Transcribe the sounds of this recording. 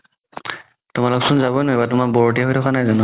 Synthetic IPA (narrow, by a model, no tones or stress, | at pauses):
tʊmalʊksʊnzabɔjnɔjbatʊmakbɔɹɔt̬iaɦojtʰɔkʰanajzɔnɔ